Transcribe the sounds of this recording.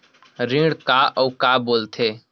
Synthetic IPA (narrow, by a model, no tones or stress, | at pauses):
ɾĩːɽkaːʔɔːkaːboːlt̪ʰeː